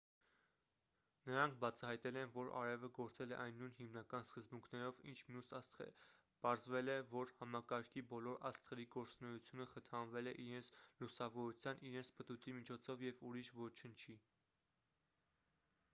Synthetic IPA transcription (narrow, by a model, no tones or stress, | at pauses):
nəɾɑŋkʰbɑt͡sʰɑɦɑjt̪ɛlɛnvɔɾɑ̰ɾɛvəɡɔɾt͡sɛlɛʔɑjnːujnhimnɑkɑnskəzbuŋkʰnɛɾɔvḭnt͡ʃʰmjusst̪ɛ̰ | pɑɾzvɛlɛvɔɾhɑmɑkɑɾkʰibɔlɔɾɑst̪χɛɾiɡɔɾt͡snɛjut͡sʰjunəχət̪ʰɑnvɛlɛʔiɾɛnt͡sʰlusɑvɔɾut͡sʰjɑniɾɛnt͡sʰpət̪ut̪ʰimit͡ʃʰɔt͡sʰɔvjɛvuɾiʃvɔt͡ʃʰənt͡ʃʰi